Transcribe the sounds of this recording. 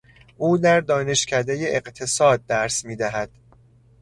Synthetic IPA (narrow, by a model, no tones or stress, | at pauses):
ʔuːd̪æɾd̪ɒːne̞ʃcʰæd̪eje̞ʔeqt̪ʰe̞sɒːd̪̚ːæɾsmiːd̪æɦæd̪̥